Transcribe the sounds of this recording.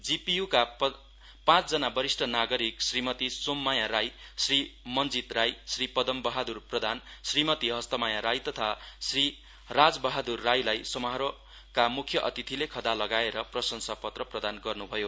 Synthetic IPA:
d͡zipijuka | pãt͡sd͡zʌnabʌɾisʈʰʌnaɡʌɾiksrimʌt̪isomːajaɾajsrimʌnd͡zit̪rajsripʌd̪ʌmbʌɦad̪urprʌd̪ʱansrimʌt̪iɦʌst̪ʌmajaɾajt̪ʌt̪ʰasri | rad͡zbʌɦad̪urːajlajsʌmʌɦɾo | kamukʰjʌʔʌt̪it̪ʰilekʰʌd̪alʌɡaeɾʌprʌsʌnsapʌt̪rʌprʌd̪anɡʌrnubʱʌjo

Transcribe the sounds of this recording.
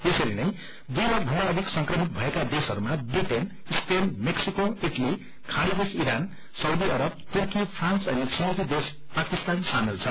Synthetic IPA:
esʌɾinʌj̃ | d̪ujɾʌbʱʌaʌd̪ʱiksʌŋkrʌmit̪̚bʱʌekad̪esɦʌɾumabriʈen | spenmeksikoiʈʌli | kʰaɽʌd̪esiɾan | sʌwd̪iʌɾʌb̚t̪urkipʰransʌnisʌwd̪id̪es | pakist̪ansamelt͡sʰʌ

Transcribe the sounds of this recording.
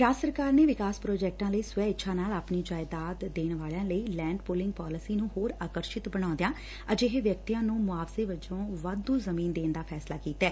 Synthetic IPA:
ɾaːsəɾkaːɾneːʋɪkaːspɾoːd͡ʒɛːk̚ʈãːləiːsʊʋɛːɪʃʰãːnaːlaːpniːd͡ʒaːɪd̪aːt̪d̪eːnʋaːljãːləiːlɛ̃ːɳɖpoːlɪ̃ŋɡ̚paːləsiːnũːɦoːɾaːkəɾʃɪt̪bəɽ̃ãːnd̪ejaː | əd͡ʒeɦeʋjəkt̪ijãːnũːmʊaːfseːʋəd͡ʒõːʋaːd̪ːũːzəmiːnd̪eːnd̪aːpʰɛːslaːkiːt̪ːɛː

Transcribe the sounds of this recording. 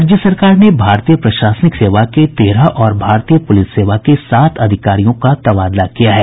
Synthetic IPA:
d͡ʒjəsɐɾkaːɾnebʱaːɾt̪ijəpɾɐʃaːsnɪkseːʋaket̪eːɾaʔɔːɾbʱaːɾt̪iːjəpʊlɪsːeːʋakesaːt̪ʰɐd̪ʱɪkaːɾijõkat̪ɐbaːd̪lakijaɦɛː

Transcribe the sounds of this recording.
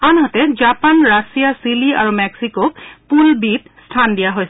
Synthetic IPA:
anɦɔtɛzapanɹasijasilia̰ɹumɛksikok̚pulbitstʰandijaɦojsɛ

